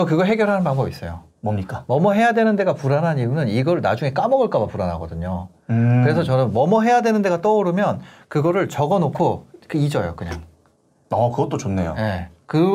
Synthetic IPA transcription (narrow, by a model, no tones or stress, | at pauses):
t͡ɕʌkɯɡʌɭɦe̞ɡjʌɭɦanɯnpaŋbʌbis͈ʌ̰jo | ɲik͈amʌmʌɦe̞jadwe̞nɯnde̞ɡapuɾanɦaɲiɯnɯniɡʌɾɯɭnad͡ʑuŋe̞k͈amʌɡɯɭk͈abapuɾanɦaɡʌdɯɲo | kkɯɾesʰʌt͡ɕʌnɯnmʌmʌɦe̞jadwe̞nɯnde̞ɡat͈ʌoɾɯmjʌnkɯɡʌɾɯɭt͡ɕʌɡʌnokʰokɯid͡ʑʌjo̰kɯɲa̰ŋ | ʌkɯɡʌt͈ot͡ɕonːe̞jo̰je̞kɯ